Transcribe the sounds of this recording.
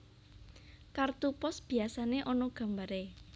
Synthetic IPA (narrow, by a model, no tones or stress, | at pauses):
kart̪upɔsb̥i̤asaneʔɔnɔɡ̥a̤mbaɾe